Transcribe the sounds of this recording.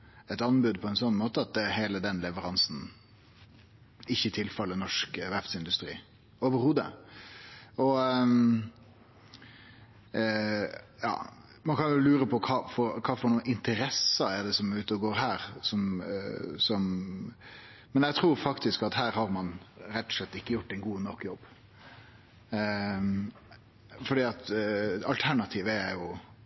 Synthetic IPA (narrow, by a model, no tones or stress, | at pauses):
ɛt̪ɑnbʉd̪̚pʰɔɛnsɔnːmoːt̪əɑt̪̚d̪ɛheːləd̪ɛnlɛʋəɾɑnsn | ɪçːəɪt̪ʰɪlfɛlːənɔʂkʋæft̪sɪnd̪ʉst̪ɾḭː | oːʋəɾhuːd̪ə̰ | ɔ | jɑ̰ː | mɑnkʰɑnjʊlʉːɾəpʰɔkʰɑːfɔɾkʰɑːfɔɾɳuːnɪnt̪əɾɛsɑæɾd̪ɛsɔmʉːt̪əɔɡoːɾɦæːɾsɔm | sɔm | mɛnjɛɪt̪ʰɾuːɾfɑkt̪ɪskɑt̪hæːɾhɑɾmɑnɾɛt̪ːɔ̥slɛt̪ːɪkːəjʊʈːɛɪnɡuːnɔkːjɔbː | fɔɖiːɑt̪ɑlt̪ʰæɳɑt̪ʰiːʋəæɾjʊ